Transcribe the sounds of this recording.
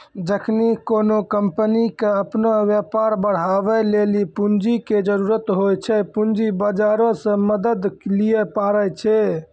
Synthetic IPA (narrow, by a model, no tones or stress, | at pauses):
d͡ʒəkʰnikonokəmpənikeəpnoʋjepaɾbəɽ̤abɛlelipund͡ʒiked͡ʒəɾuɾət̪ɦojt͡ʃʰɛpund͡ʒibəd͡ʒaɾõsə̃məd̪əd̪liɛpaɾɛt͡ʃʰɛ